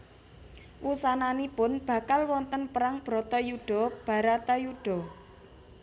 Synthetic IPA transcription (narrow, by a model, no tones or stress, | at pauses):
wusananipʊnb̥ä̤kalwɔnt̪ənpəɾaŋb̥ɾɔ̤t̪ɔjuɖ̥ɔ̤b̥a̤ɾat̪ajuɖ̥ɔ̤